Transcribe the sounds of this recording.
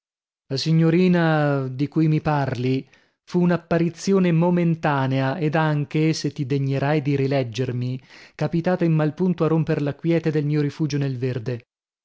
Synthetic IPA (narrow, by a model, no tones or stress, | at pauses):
lasiɲːoɾiːnad̪ikujmiparli | fuːnapːaɾit̪sːjoːnemoment̪aːneaed̪aŋk̟eset̪ːid̪eɲːeɾajd̪iɾilɛd͡ʒːermikapit̪aːt̪aimːalpunt̪oarompeɾlakwjɛːt̪ed̪elmiːoɾifuːd͡ʒonelverd̪e